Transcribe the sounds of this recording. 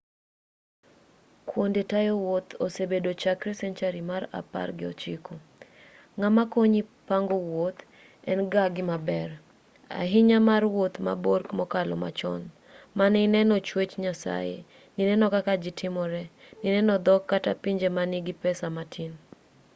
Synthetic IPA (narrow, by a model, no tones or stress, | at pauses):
kwondetajɔwot̪osebedot͡ʃakɾɛsɛnt͡ʃaɾimaɾa̰pa̰rɡɪɔ̰t͡ʃiko | ŋamakoɲipaŋɡowot̪ | ɛnɡaɡɪmabɛr | a̰ɦɪɲamarwot̪ma̰borkmɔkalɔ̰ma̰t͡ʃɔ̰n | manɪnɛnɔt͡ʃwet͡ʃɲasa̰jḛ | ninɛnɔkakad͡ʒɪtʰɪmɔɾɛninɛnɔd̪ɔkːatapiɲd͡ʒemanɪɡɪpɛsamatʰin